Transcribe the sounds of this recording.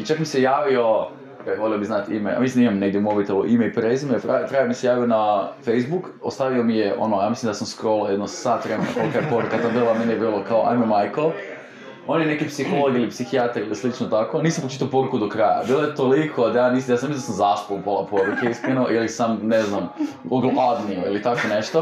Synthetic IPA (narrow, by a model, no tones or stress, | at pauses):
it͡ʃakmisejaːʋio̞ | jaʋo̞liobiznat̪ḭmeja̰misind̪aimamneɡd̪jeumobit̪eluʔimeipɾezimeat̪ɾamisejaːʋionafejzbukost̪aʋiomijeʔo̰nojaːmislimd̪asamskɾolˠajed̪nosaːt̪ʋɾemena̰kolˠkajepoɾukat̪abilˠamenijebiːlˠokaoʔa̰jmeomajkol | onjenekipsixolˠoɡilipsixiat̪aɾilislit͡ʃnot̪akoniːsampot͡ʃit̪aopo̞ɾukud̪okɾaja̰biːlˠojet̪olikʰoad̪ajaːniːsjaːsamisind̪asamzaːspolˠupolˠapoɾukeiskɾenoʔilisamneznam | oɡlad̪niuḭlit̪akoneʃt̪o